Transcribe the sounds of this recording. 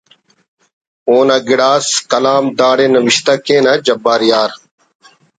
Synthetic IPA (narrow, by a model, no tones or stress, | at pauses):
oːnaːɡɪɽaːskəlaːmd̪aːɽeːnəʋɪʃt̪aːkẽːnad͡ʒəbaːɾɪjaːɾ